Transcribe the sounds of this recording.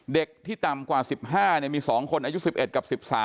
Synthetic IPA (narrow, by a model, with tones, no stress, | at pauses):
de˨˩k̚t̪ʰiː˥˩t̪a˨˩mkwaː˨˩si˨˩p̚ɦaː˥˩ni˧˩ɐmiː˧sɔː˩˦ŋkʰo˧nʔaː˧ju˦˥si˨˩p̚ʔe˨˩t̪̚ka˨˩p̚si˨˩p̚saː˩˦